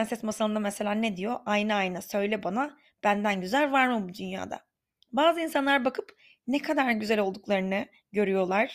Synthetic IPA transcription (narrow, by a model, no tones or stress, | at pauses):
ænsɛsmasalˠɯnd̪amese̞lʲaːned̪ijo̞ʔajnɯajnasø̞jlʲɛbana | b̥ænd̪ænɟyzælʲvaɾmɯbud̪ynja̰ːd̪a̰ | baːzɯinsanlˠaɾbakʰɯp | nekʰad̪aɾɟyzælo̞lˠd̪uklˠaɾɯnɯ | ɟø̞ɾyjo̞lˠaɾ̥